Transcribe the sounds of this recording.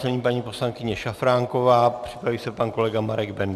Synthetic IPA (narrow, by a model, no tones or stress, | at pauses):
nɛɲiːpaɲiːpo̞slaŋkɪɲɛʃafɾaːŋkovaːpr̝̥ɪ̥pɾaviːsɛpanko̞lɛɡamaɾɛɡbɛnd